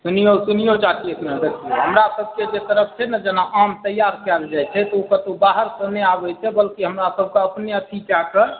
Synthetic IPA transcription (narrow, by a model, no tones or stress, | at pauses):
sunijosunijod͡ʒak̪ʰiekʰnad̪ekʰieɦəmɾasəb̚ʱked͡ʒet̪əɾəpʰt͡ʃʰɛnad͡ʒenaʔamt̪əjaɾkald͡ʒajt͡ʃʰɛt̪ɔokət̪obaɦəɾkəneabɛt͡ʃʰɛbəlkiɦəmɾasəb̚ʱkeəpneət̪ʰit͡ʃakə